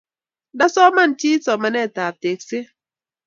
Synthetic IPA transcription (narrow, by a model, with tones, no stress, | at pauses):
da˦sɔ˦ma˦n˨t͡ʃi˦sɔ˨ma˨nɛ˦˨ta˨te˨k̚se˦